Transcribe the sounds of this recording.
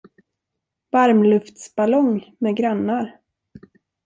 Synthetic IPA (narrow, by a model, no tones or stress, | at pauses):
v̥aɾmlɵft̪sb̥alɔŋmɛɡɾanːaɾ